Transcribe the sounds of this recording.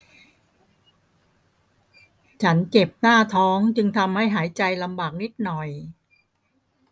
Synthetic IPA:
t͡ɕʰa˦˥nt͡ɕe˨˩p̚naː˥˩t̪ʰɔː˦˥ŋt͡ɕɯ˧ŋt̪ʰa˧mha˥˩jɦaː˩˦jt͡ɕa˧jla˧mbaː˨˩k̚ni˦˥˩t̪̚nɔ˨˩j

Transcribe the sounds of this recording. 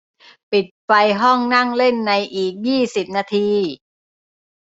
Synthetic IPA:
pi˨˩t̪̚fa˧jɦɔ˥˩ŋna˥˩ŋle˥˩nːa˧jʔiː˨˩k̚jiː˥˩si˨˩p̚naː˧t̪ʰiː˧

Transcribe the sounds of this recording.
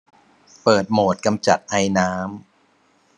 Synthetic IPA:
pɤː˨˩t̪̚moː˨˩t̪̚ka˧mt͡ɕa˨˩t̪̚ʔa˧jnaː˦˥m

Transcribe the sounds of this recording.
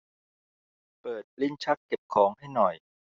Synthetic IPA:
pɤː˨˩t̪̚li˥˩nt͡ɕʰa˦˥kːe˨˩p̚kʰɔː˩˦ŋɦa˥˩jnɔ˨˩j

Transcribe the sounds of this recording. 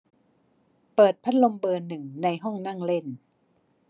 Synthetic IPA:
pɤː˨˩t̪̚pʰa˦˥t̪̚lo˧mbɤː˧nːɯ˨˩ŋna˧jɦɔ˥˩ŋna˥˩ŋle˥˩n

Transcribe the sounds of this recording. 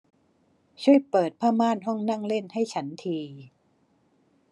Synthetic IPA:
t͡ɕʰu˥˩əjpɤː˨˩t̪̚pʰaː˥˩maː˥˩˨nɦɔ˥˩ŋna˥˩ŋle˥˩nha˥˩jt͡ɕʰa˦˥nt̪ʰiː˧

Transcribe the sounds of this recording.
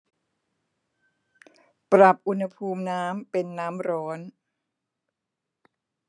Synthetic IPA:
pɾa˨˩p̚ʔu˧nha˧pʰuː˧mnaː˦˥mpe˧nːaː˦˥mɾɔː˦˥n

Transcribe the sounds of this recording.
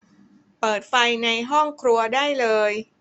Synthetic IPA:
pɤː˨˩t̪̚fa˧jna˧jɦɔ˥˩ŋkʰɾu˧ɐdaː˥˩jlɤː˧j

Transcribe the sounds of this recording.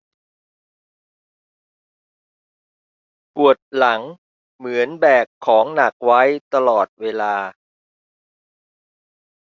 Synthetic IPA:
pu˨˩ət̪̚la˩˦ŋ | mɯ˩˦ənbɛː˨˩kʰːɔː˩˦ŋna˨˩k̚wa˦˥jt̪a˧lɔː˨˩t̪̚weː˧laː˧

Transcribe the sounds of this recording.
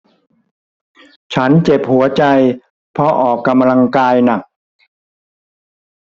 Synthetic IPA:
t͡ɕʰa˦˥nt͡ɕe˨˩p̚hu˩˦ɐt͡ɕa˧j | pʰɔ˧ʔɔː˨˩kːa˧mla˧ŋkaː˧jna˨˩k̚

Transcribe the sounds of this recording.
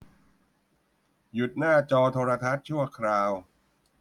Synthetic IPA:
ju˨˩t̪̚naː˥˩t͡ɕɔː˧t̪ʰoː˧ɾa˧t̪ʰa˦˥t̪̚t͡ɕʰu˥˩ɐkʰɾaː˧w

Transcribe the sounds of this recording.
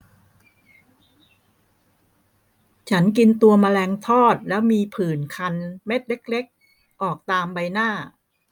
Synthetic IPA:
t͡ɕʰa˦˥nki˧nt̪u˧ɐma˧lɛː˧ŋt̪ʰɔː˥˩t̪̚lɛː˦˥wmiː˧pʰɯː˨˩nkʰa˧nme˦˥t̪̚le˦˥k̚le˦˥k̚ | ʔɔː˨˩k̚t̪aː˧mba˧jnaː˥˩

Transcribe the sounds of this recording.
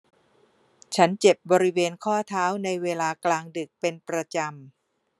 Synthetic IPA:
t͡ɕʰa˦˥nt͡ɕe˨˩p̚bɔː˧ɾi˦˥weː˧nkʰɔː˥˩t̪ʰaː˦˥wna˧jweː˧laː˧klaː˧ŋdɯ˨˩k̚pe˧npɾa˧t͡ɕa˧m

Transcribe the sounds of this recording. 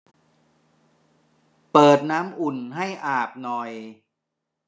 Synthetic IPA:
pɤː˨˩t̪̚naː˦˥mʔu˨˩nɦa˥˩jʔaː˨˩p̚nɔ˨˩j

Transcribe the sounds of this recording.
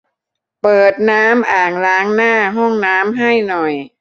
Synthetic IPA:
pɤː˨˩t̪̚naː˦˥mʔaː˨˩ŋlaː˦˥ŋnaː˥˩ɦɔ˥˩ŋnaː˦˥mɦa˥˩jnɔ˨˩j

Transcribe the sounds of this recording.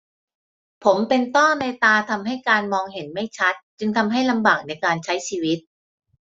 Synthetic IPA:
pʰo˩˦mpe˧nt̪ɔ˥˩na˧jt̪aː˧t̪ʰa˧mɦa˥˩jkaː˧nmɔː˧ŋɦe˩˦nma˥˩jt͡ɕʰa˦˥t̪̚t͡ɕɯ˧ŋt̪ʰa˧mɦa˥˩jla˧mbaː˨˩k̚na˧jkaː˧nt͡ɕʰa˦˥jt͡ɕʰiː˧wi˦˥t̪̚

